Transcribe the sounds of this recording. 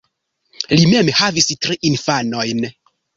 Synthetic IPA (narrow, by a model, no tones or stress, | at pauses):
lime̞mhavistɾiʔinfano̞jn